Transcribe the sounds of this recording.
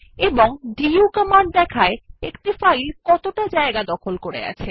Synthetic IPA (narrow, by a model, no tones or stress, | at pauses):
eboŋɖiukəmaɳɖ̚d̪ɛkʰaeekʈifailkɔt̪oʈad͡ʑaeɡad̪ɔkʰolkoɾḛa̰t͡ɕʰe